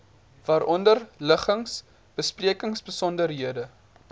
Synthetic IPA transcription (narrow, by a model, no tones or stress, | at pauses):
vɑːɾʔɔndərləχəŋs | b̥əspriəkəŋsbəsɔndərɦiədə